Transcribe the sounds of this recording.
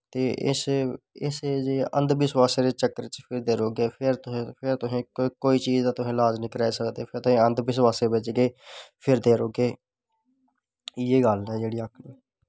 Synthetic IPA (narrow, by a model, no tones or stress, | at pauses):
t̪eːʔɪ̰sɪsed͡ʒeːə̰̃nd̪bɪswaːseːɾeːt͡ʃəkːəɾt͡ʃpʰɪɾd̪eːɾoːɡeːpʰɪɾt̪ʊɦẽːpʰɪɾt̪ʊɦẽːkoːiːt͡ʃiːzãːt̪ʊɦẽːlaːd͡ʒnĩːkəɾɛːeːsəkd̪eːpʰɪɾt̪ʊɦẽːənd̪bɪswaːseːbɪt͡ʃɡeːpʰɪɾd̪eːɾoːɡeː | jeːɡəlɛːd͡ʒeːɽiːəkʰlː